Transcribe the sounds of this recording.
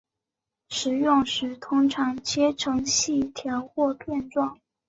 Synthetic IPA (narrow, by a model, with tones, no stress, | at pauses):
ʂɻ̩˧˥jʊ˥˧ŋʂɻ̩˧˩t̪ʰʊ˥ŋʈ͡ʂʰɑ˧˥ŋt͡ɕjɛ˥ʈ͡ʂʰɤ˧˥ŋɕi˥˩t̪ʰjɑ˧˥ʊxwɔ˥˧pʰjɛ˥˧nʈ͡ʂwɑ˥˩ŋ